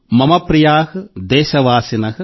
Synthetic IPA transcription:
mɐmɐpɾijaːhɨd̪ɛːʃɐʋaːsinɐɦɐ

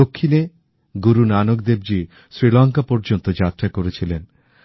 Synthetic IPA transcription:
okʰːine | ɡuɾunanok̚d̪eb̚d͡ʑi | sɾilɔŋkapɔɾd͡ʑont̪od͡ʑat̪ːɾakoɾet͡ɕʰilen

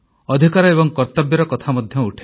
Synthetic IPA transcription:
ɔd̪ʱikaɾɔebɔŋkɔɾt̪ɔbjɔɾɔkɔt̪ʰamɔd̪ʱjɔuʈʰe̥

